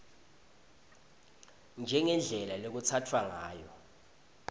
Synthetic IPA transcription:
nd͡ʒʱɛŋɛnd͡ɮʱɛlalok̬ut͡sʰatʰwaŋaːjɔ

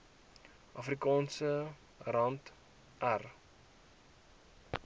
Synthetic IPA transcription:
ʔɐfrikɑːnsə | rɐnt | ʔær

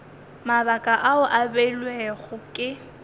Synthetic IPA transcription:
mabakʼaʔaʊʔabɛlweɣʊkʼɪ

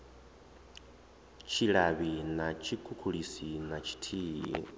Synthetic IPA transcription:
t͡ʃʰilaβinat͡ʃʰikʰukʰulisinat͡ʃʰi̥tʰijḭ

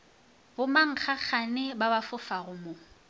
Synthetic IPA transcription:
bʊmaŋ̩k͡xʰak͡xʰanɪbabafʊfaɣʊmo

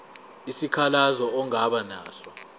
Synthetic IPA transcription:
isikʰalazɔɔŋaɓana̰ːsɔ

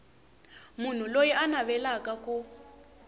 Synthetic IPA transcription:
mun̤ulojiʔanaβɛlakaku

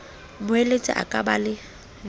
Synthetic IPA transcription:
mʊelet͡sʼɪ̰ʔa̰kʼabalɪ

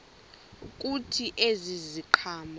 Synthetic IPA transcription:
k̬ʼutʰiʔeziziǃʰaːm

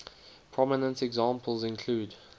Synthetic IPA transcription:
pʰɹ̥ɔmɪnə̃ntɛɡzɑ̃mpʰəlˠzɪ̃nkʰl̥uːd

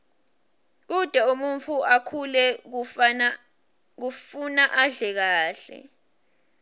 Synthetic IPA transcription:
k̬ud̥ʱɛumunt͡fʰuakʰulɛ | k̬ufunaʔaɮɛk̬aːɬɛ̰

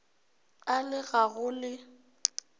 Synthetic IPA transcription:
alɪɣaɣʊlɪ

